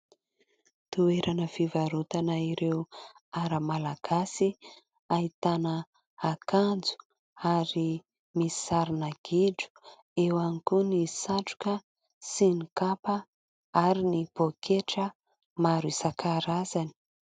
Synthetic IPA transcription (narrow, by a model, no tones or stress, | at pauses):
t̪ueɾʔanəfivaɾut̪anaiɾewaɾəmalaɡ̥asi | ait̪anə | akand͡zu̥ | aɾi | mii̥saɾinaɡ̥iɖ͡ʐu̥ | ewanikunisaʈ͡ʂu̥kə | sinikapə | aɾinib̥okʰeʈ͡ʂə | maɾuisakʰaɾazani̥